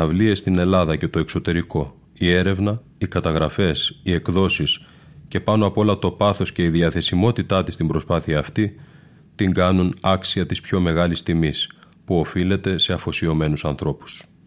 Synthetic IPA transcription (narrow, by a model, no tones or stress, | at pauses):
ɐvlie̞st̪ine̞lɐðɐce̞t̪o̞ekso̞t̪e̞ɾiko̞ | ie̞ɾe̞vnɐ | ikɐt̪ɐɣɾɐfe̞sie̞kðo̞sis | ce̞pɐnoɐpo̞lɐt̪o̞pɐθo̞sce̞iðiɐθe̞simo̞t̪it̪ɐt̪ist̪imbɾo̞spɐθiɐːft̪i | t̪iŋɡɐnunɐksiɐt̪ispço̞me̞ɣɐlist̪imis | puo̞file̞t̪e̞se̞ɐfo̞sio̞me̞nusɐnθɾo̞pu̥s